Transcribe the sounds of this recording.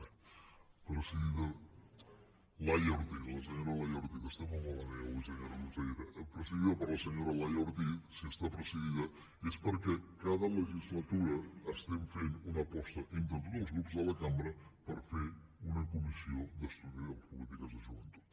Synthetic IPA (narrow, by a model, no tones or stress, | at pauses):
pɾəsəɣiðɐ | lajɔɾt̪ilɐs̬əɲoɾɐlɐjɔɾt̪ik̪əst̪emɐmolɐneawisəɲoɾɐluzejɾɐʔepɾəsəɣiðɐpəɾlɐsəɲoɾɐlajɔɾt̪isiəst̪apɾəsəɣiðɐ | espəɾkɛkaðɐləʒizlɐt̪uɾɐːst̪emfenunɐpɔst̪ɐʔint̪ɐ̃nt̪ot̪ɐlˠzɣɾupzðəlɐkamɾɐpəɾfeɾunɐkumisiod̪əst̪uðiopulit̪ikɐzɐʒunt̪u̥